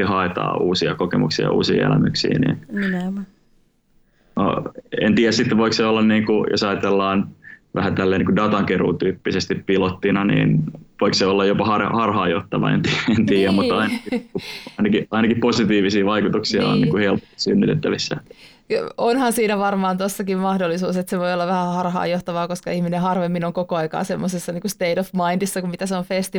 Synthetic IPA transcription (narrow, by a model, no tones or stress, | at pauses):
ihɑet̪ɑ̰ːʔuːsiɑ̰kokḛmṵksiɑ̰ṵːsḭːḛlæ̰my̰ksḭːnḭːn | no̰ḛnt̪iːjæsit̪ːeʋoikseolːɑnniːŋkujo̰sɑjɑt̪elːɑːnʋæhæt̪ælːeːniːŋkudɑt̪ɑŋkeruːt̪yːpːisest̪ippilot̪ːinɑnḭːnʋoikseolːɑjjopɑhɑrhɑrɦɑːjot̪ːɑʋɑ̰ḛnt̪ient̪iːjæmmut̪ːɑinɑkiuɑinɑkiɑinɑkiposit̪iːʋisiːʋɑikut̪uksiɑ̰o̰nnḭːkuhelpo̥st̪i̥synːyt̪ḛt̪ːæʋisːæ̰ | onhɑnsiːnæʋɑrmɑːnt̪osːɑkimmɑhdolːisuːset̪seʋojolːɑʋæhæhɑrhɑ̰ːjoht̪ɑʋɑːkoskɑihminehɑrʋemːinoŋkokoɑikɑ̰ːsemːosesːɑniːŋkust̪eidofmɑindisːɑkummit̪æseoɱfest̪i